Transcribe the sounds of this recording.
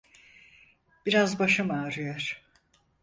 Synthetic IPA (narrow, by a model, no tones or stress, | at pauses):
b̥iɾazbaʃɯmaːɾɯjoɾ̥